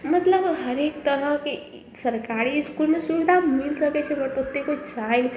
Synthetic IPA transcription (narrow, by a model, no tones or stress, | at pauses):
mət̪ləbɦəɾekt̪əɾəɦke | səɾkaɾiskulmesuʋid̪ʱamilsəkɛt͡ʃʰɛbəɾt̪ot̪ːekod͡ʒajn